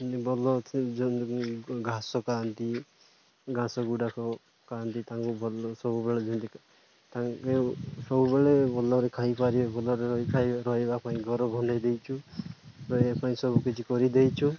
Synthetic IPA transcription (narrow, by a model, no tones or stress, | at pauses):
ɔnt̪ibɔlɔd͡ʒɔ | ɡʱãsɔkaant̪i | ɡʱãsɔɡuɽakɔ | kaant̪it̪aŋkubʱɔlsɔbubeɭed͡ʒɔnt̪i | t̪aŋeusɔbubeɭebɔlɔɾekʰaipaɾibɔlɔɾekʰajɾɔɦebapaĩɡʱɔɾɔbʱɔndajd̪ejt͡ʃʰu | ɔepaĩsɔbukit͡ʃʰikɔɾid̪ejt͡ʃʰu